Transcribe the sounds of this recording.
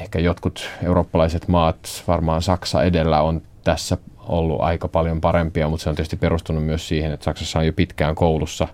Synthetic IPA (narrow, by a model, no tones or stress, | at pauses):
ehkæjot̪kut̪euroːpːɑlɑiset̪mɑːt̪ʋɑrmɑːnsɑksɑ̰edelːæont̪æsːæo̰lːṵʔɑ̰ikɑpɑljompɑɾempiɑmut̪seonitst̪ipːeɾust̪unːummyøssiːhenet̪sɑksɑsːɑojopit̪kæːŋkoulusːɑ